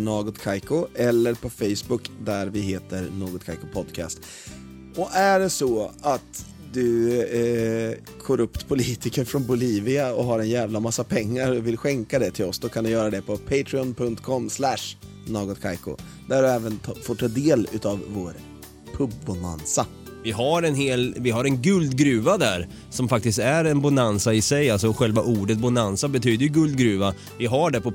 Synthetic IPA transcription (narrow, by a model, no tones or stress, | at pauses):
nɑːɡɔt̪kʰajkʊɛlːəɾpʰɔfɛjsbʊkd̪æɾvɪɦeːt̪əɾnoːɡɔt̪̚kʰajkʊpʰɔd̪kʰɑ̰ːst̪ | ɔʔæɖɛsɔat̪ | d̪ɵ | kʰɔɾɵpt̪pʰʊliːt̪ɪkəɾfɾɔnbʊliːvɪaɔɦaɾɛnjæːvlamasːapʰɛŋːaɾɔvɪlɧɛŋkad̪ɛt̪ʰɪlɔsd̪ɔkʰand̪ɵjœːɾad̪ɛpʰɔpʰɛɪt̪ʰɾɪɔnpʰɵŋt̪kʰɔmːslæʂ | noːɡɔt̪kʰajkʊ̰ | d̪æɖɵɛːvənt̪ʰfoːʈʰɑːd̪eːlʉ̟ːt̪ɑvːoːɾ | pʰɵbːʊna̰nsa | vɪɦaɾɛnɦeːlvɪɦaɾɛnɡɵld̪ɡɾʉ̟ːvad̪æɾ | sɔmfak̚t̪ɪst̪æɾɛnbʊnansaɪsɛjalsɔɧɛlvaʔuːɖət̪̚bʊnansabɛt̪ʰyːd̪əɾjɵɡɵld̪̚ɡɾʉ̟ːva | vɪɦaɖɛpʰɔ